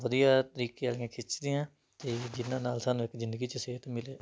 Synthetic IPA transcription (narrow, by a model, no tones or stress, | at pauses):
ʋəd̪ijaːt̪əɾiːkeːaliãːkʰɪt͡ʃd̪iːãː | t̪ed͡ʒɪnãːnaːlsaːnũːɪkzɪ̃nd̪əɡiːt͡ʃəseːt̪mɪleː